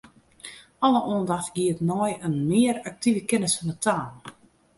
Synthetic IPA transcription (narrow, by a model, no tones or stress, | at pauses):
ɔləʔɔəndaxɡ̥iətnɔjənmɪəɾak̚tʰivəkɪnəsɔnətʰaːn